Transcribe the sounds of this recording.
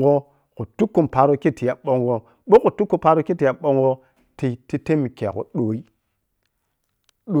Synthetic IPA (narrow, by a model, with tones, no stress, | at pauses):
ɡo˦ | ku˨tu˦kːu˦˨mpa˨ɾo˦ki˦ti˨ja˨ɓo˦ŋɡo˦ | ɓo˦ku˨tu˦kːu˦pa˦ɾo˦ki˦ti˨ja˨ɓo˦ŋɡo˦ | ti˨ti˦te˦mi˨ke˨a̰˨ko̰˨ɗo˨i˦ | ɗo˨